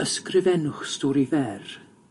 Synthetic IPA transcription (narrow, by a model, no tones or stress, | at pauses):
əskrɪvɛnʊχstɔːɾivɛr